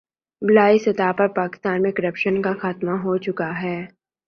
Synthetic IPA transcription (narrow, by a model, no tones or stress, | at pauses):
bɪlaːisɐt̪aːpɐɾpaːkɪ̥st̪aːnmẽkɐɾəpʃənkaxaːt̪maɦot͡ʃʊkaɦɛː